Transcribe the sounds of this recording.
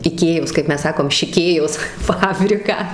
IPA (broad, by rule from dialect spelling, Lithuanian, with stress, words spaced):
ɪˈkʲeːjoːs kɐt ˈmʲɛs ˈsɑːkoːm ʃʲɪˈkʲeːjoːs ˈfɑːbʲrʲɪkɑː